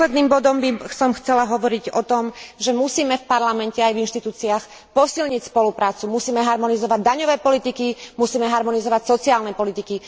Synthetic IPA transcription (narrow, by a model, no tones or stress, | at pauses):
lɛd̪niːmbɔd̪ɔmbisɔmxt͡sɛlaɦɔʋɔɾiɟɔt̪ɔmʒɛmusiːmɛfpaɾlamɛncɛajvinʃt̪it̪uːt͡siax | pɔsilɲicspɔlupɾaːt͡sumusiːmɛɦaɾmɔnizɔʋaɟ̚d̪aɲɔʋɛːpɔlit̪ikimusiːmɛɦaɾmɔnizɔʋacsɔt͡siaːlnɛpɔlit̪iki